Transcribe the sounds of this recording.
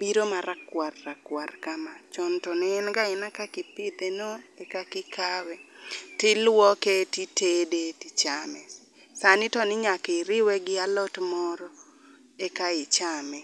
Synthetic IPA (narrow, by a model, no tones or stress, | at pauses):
biɾomaɾakwarːakwarkamat͡ʃɔntɔnɛːnɡaɪnakakɪpɪd̪enoekakɪkawɛtɪlwɔketitedetit͡ʃamɛs | sanɪtɔnɪɲakɪɾɪwɛɡɪalɔtmɔɾɔ | ekaɪt͡ʃamɛ